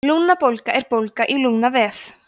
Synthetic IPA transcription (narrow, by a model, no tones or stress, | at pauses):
luwnapowlkaʔɛɾpowlkaʔiluŋnavɛːθ